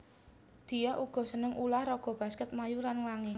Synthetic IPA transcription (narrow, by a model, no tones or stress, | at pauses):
d̪̥i̤jaʔuɡ̥ɔ̤sənəŋʔulahrɔɡ̥ɔ̤b̥a̤skət̪̚majulanlaŋɪ